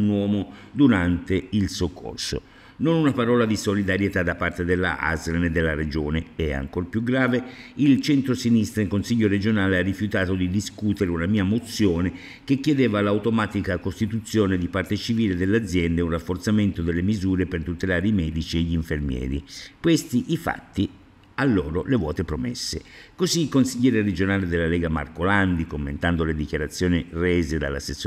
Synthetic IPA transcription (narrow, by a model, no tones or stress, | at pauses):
nwɔːmod̪uɾant̪eilsokːo̰rso̰ | nonunapaɾɔːlad̪isolid̪aɾjet̪ad̪apːart̪ed̪elːa̰a̰zɾned̪ːelːaɾed͡ʒoːneɛa̰ŋkorpjuɡɾaːveilt͡ʃɛnt̪ɾosinist̪ɾaikːonsiʎːoɾed͡ʒonaːlearːifjut̪aːt̪od̪id̪iskut̪eɾeunamiːamot̪sːjoːne | k̟ekːjed̪eːvalawt̪omaːt̪ikakost̪it̪ut̪sːjoːned̪ipart̪et͡ʃiviːled̪elːad̪zjɛnd̪eunrafːort̪sament̪od̪elːemizuːɾepert̪ut̪elaːɾeimɛːd̪it͡ʃieʎːiɱfermjɛ̰ːɾḭkwest̪iʔifa̰t̪ːi | alːoːɾolevwɔ̰ːt̪epɾomḛsːḛkoziːlkonsiʎːɛːɾeɾed͡ʒonaːled̪elːalɛːɡama̰rkoland̪ikomːḛnt̪and̪oled̪ikjaɾat̪sːjoːnireːzed̪a̰lːa̰sesː